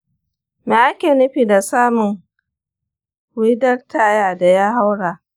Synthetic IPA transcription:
me˨ʔa˦kʲeː˨nʊ˦ɸiː˨da˨saː˦mʊ˨ŋ | wi˦dɐ˦rtaː˨jaː˨da˨jaː˦ɦa˦wɽaː˨

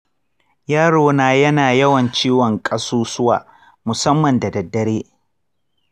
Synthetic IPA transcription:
jaː˦ɽoː˨naː˨jɐ˦naː˨jɐ˦wɐ˨nt͡ʃiː˦wɔ˨ŋkʼɐ˦suː˦sʊ˦wa̰ː˨ | mʊ˨sɐ˦mːɐ˨nda˨dɐ˨dːɐ˦ɾeː˦

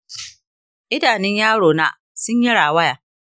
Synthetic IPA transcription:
ʔɪ˦daː˨nɪ˦ɲjaː˦ɽoː˨na̰˦ | sʊ˦ɲji˦ɽaː˨wɐ˦jaː˨

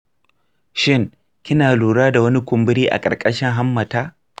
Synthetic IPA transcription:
ʃɪ˦ŋ | kʲɪ˦naː˨luː˨ɽaː˦da˨wɐ˦ni˦kʷʊ˨mbɪ˦ɾiː˦ʔa̰˨kʼɐ̰˨ɾkʼɐ˦ʃɪ˦ŋɦa˦mːɐ˨taː˦

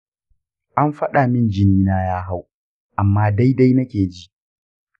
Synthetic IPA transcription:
ʔa˦mɸɐ˦ɗa˨mɪ˦˨nd͡ʒɪ˦niː˦naː˦jaː˦ɦa˦w | ʔa˨mːaː˦da˦jda˦jnɐ˦kʲeː˨d͡ʒi˦ʔ

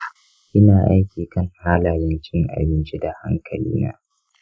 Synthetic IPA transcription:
ʔɪ˦naː˨ʔa˦jkʲiː˨kɐ˦ŋhaː˦laː˨jɛ˦nt͡ʃɪ˦ŋʔa̰˨bɪ˦nt͡ʃi˦da˨ha̰˦ŋkʰɐ˨lḭː˦na̰ː˦

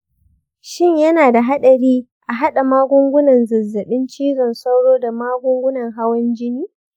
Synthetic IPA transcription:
ʃɪ˦˨ɲjɐ˦naː˨da˨ɦa˦ɗɐ˨ɾiː˦ | ʔa˨ɦa˦ɗa˨maː˦ɡʷʊ˦ŋɡʷʊ˦nɐ˨nzɐ˨zːɐ˨ɗɪ˦nt͡ʃiː˦zɔ˨nsa˦wɽoː˦da˨maː˦ɡʷʊ˦ŋɡʷʊ˦nɐ˨ŋɦa˦wɐ˦nd͡ʒɪ˦niː˦

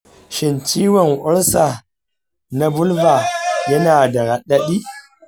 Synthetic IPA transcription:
ʃɪ˨nt͡ʃi˦wa˨nʔɔ˦ɾsa˨ | na˦bu˦lva˨jɐ˦naː˨da˨ɾa˨ɗa˦ɗi˦

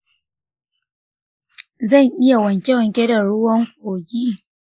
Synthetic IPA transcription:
zɐ˦˨ŋʔɪ˦ja˨wɐ˨ŋkʲe˦wɐ˨ŋkʲe˦da˨ɽʊ˦wɐ˦ŋkʷʼoː˨ɡʲiː˦

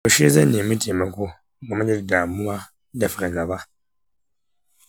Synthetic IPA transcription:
o˨ʃi˦zɛ˦nĩ˨mĩ˦tʰi˨ẽ˨mɛ̃˨ko˦ | mɔ˨mɛ̃˦ɲɛ˦di˨da˨mũ˦mã˦ | dɛ˨fɾɛ̃˨ɡa˨ba˦

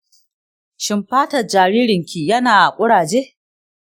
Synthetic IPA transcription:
ʃɪ˨mɸaː˦tɐ˨d͡ʒaː˨ɽiː˦ɾɪ˨ŋkʲiː˨jɐ˦naː˨ʔa˨kʷʼʊ˦ɽaː˨d͡ʒeː˦ʔ

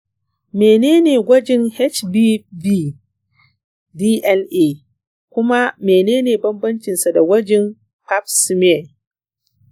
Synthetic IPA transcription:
meː˨neː˦neː˨ɡʷɐ˦d͡ʒɛ˦ŋhɛ˦t͡ʃbi˦biː˦ | diː˦ʔɛ˦lʔeː˦˨ | kʷʊ˦ma˦meː˨neː˦neː˨bɐ˦mbɐ˦nt͡ʃɪ˨nsa˨da˨ɡwɐ˦d͡ʒɛ˦m | pa˦p̚sɪ˦m˦ɛ˨

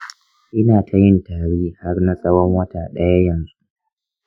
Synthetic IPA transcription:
ʔɪ˦naː˨tʰa˨jɪ˦ntaː˨ɽeː˦ha˦rna˦sʼɐ˦wɔ˦ŋwɐ˦taː˨ɗɐ˦ja˦jɐ˨nzu˦

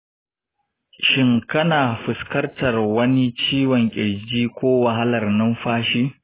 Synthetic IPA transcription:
ʃɪ˦ŋkɐ˦naː˨ɸɪ˨skɐ˦rtɐ˨rwɐ˦ni˦t͡ʃiː˦wɔ˨ŋkʲʼɪ˨d͡ʒiː˦kʷoː˦wa˨ɦa˦lɐ˨rnɐ˦mɸaː˦ʃiː˦

